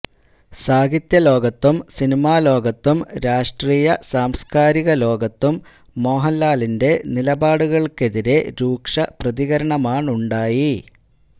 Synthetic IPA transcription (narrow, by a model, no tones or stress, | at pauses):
saːɡʱit̪jɐlo̞ːɡɐt̪ːumsinimaːlo̞ːɡɐt̪ːumɾaːʂʈriːjɐsaːmskaːɾiɣɐlo̞ːɡɐt̪ːumː | o̞ːɦɐlːaːlinde̞nilɐbaːɽuɣɐɭke̞ðiɾe̞ɾuːkʂɐprɐðiɣɐɾɐɳɐmaːɳuɳɖaːji